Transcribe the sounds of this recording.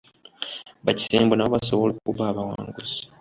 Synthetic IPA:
βaci̥seːmbonaβoβasoβolukuβaβawa̰ːŋɡuzi̥

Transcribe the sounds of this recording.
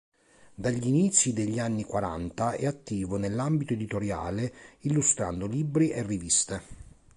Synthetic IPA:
d̪aʎːinit̪sːjid̪eʎːianːikwaɾa̰nt̪aɛat̪ːiːvonelːambit̪oed̪it̪oɾja̰ːleilːust̪ɾa̰nd̪olibɾiʔerːivist̪e

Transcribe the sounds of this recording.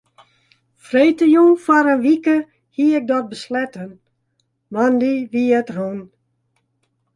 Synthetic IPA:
frejtəjuŋfɔɾənʋikə | hiɪk̚dɔt̚bəslɛtən | mandiʋiətrun

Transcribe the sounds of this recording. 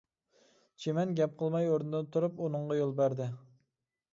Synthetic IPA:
t͡ʃʰemɛnɡʲɛp̚qʰəlˠmɑjoɾnɪd̪ɪt̪ʰuɾuponɨɴʁɑjolˠbæɾd̪ɪ

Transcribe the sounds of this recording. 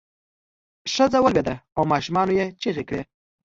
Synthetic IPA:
ʂəzawəlbed̪aawmɑʃumɑnojet͡ʃeɣekɽe

